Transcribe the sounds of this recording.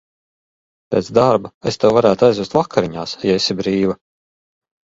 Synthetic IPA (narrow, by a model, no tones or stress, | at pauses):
peːt̪zd̪aɾbaest̪ewvaɾæːt̪uajzuːst̪vakʰːaɾiɲaːsjaesʲibɾiːva